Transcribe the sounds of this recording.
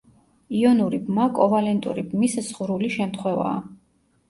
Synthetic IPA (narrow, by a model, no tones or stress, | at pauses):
iɔnuɾibmakʼɔvalɛnt̪ʼṵɾibmiszʁuɾuliʃɛmt̪ʰχwɛva̰ː